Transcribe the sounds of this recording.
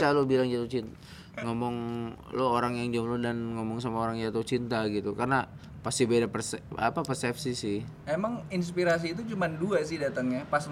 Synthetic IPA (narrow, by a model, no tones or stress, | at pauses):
salobilaŋd͡ʒat̪ʊt͡ʃin | ŋomɔŋlooɾaŋjaŋd͡ʒomlʊdanŋɔmɔŋsamaoɾaŋd͡ʒat̪ʊht͡ʃint̪aɡit̪ukarna | past̪ibedapərsapapərsɛpsisɪhmemaŋins̬piɾas̬iːt̪̬ut͡ʃumanduaʔsɪhdat̪əŋɲapas